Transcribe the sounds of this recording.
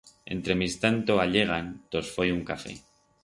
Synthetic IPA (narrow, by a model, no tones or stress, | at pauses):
e̞̰nt̪ɾe̞mist̪ant̪oaʎe̞ɣ̞ant̪o̞sfojuŋkafe̞̰